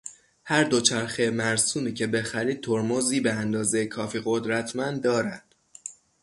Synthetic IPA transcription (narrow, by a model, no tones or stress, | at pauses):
hæɾd̪o̞t͡ʃʰæɾxemæɾsuːniːcʰe̞be̞xæɾiːd̪̚t̪ʰoɾmoziːbe̞ænd̪ɒːzejekʰɒːfiːɣo̞d̪ɾæt̪ʰmænd̪d̪ːɒːɾænd̪̥